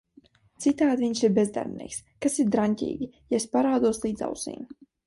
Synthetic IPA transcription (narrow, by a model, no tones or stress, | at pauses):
t̪sit̪aːd̪viɲsiɾbʲezd̪a̰ɾbnʔḭɛkskasiɾd̪ɾanʲtʲḭːɡʲijaespaɾaːd̪uɔslˠiːd̪za̰wsḭːm